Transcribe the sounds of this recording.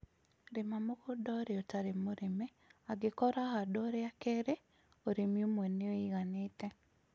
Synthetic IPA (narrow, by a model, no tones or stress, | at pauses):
ɾɪmamokɔdɔɾeɔtaɾemoɾime | aɡɪkɔɾaɦadɔɾeakeɾe | oɾemjomenɪoiɣanɪtɛ